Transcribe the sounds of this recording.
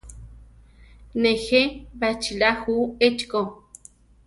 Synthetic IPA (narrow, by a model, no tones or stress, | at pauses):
nexeβat͡ʃilahuet͡ʃko